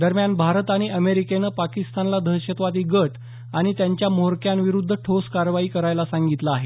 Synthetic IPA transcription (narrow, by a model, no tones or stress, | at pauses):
d̪əɾmjanbʱaɾət̪aɽ̃iʔəmeɾikenəpakist̪anlad̪ʱəɕət̪ʋat̪iːɡəʈ | aɽ̃it̪jaɲt͡ɕjamoɾkjanʋiɾud̪ʱːəʈʰoskaɾʋaiːkəɾajlasãŋɡit̪laːɦe